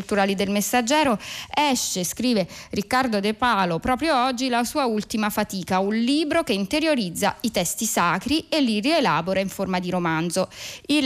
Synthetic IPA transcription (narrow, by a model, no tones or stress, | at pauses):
lt̪uɾaːlid̪elmesːad͡ʒːɛːɾoɛʃːeskɾiːverikːard̪od̪epaːlopɾɔːpɾjoɔd͡ʒːilasuːault̪imafat̪iːkaunliːbɾokeint̪eɾjoɾid̪zːait̪ɛst̪isaːkɾielirielaːboɾaiɱformad̪iɾomand̪zoi